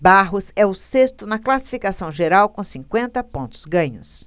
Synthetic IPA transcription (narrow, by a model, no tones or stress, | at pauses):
baɦʊsɛʊsest̪ʊnɐklasi̥fikasɐ̃w̃ʒeɾawkõsĩŋkwẽnt̪ɐpõnt̪ʊ̥zɡɐ̃ɲʊs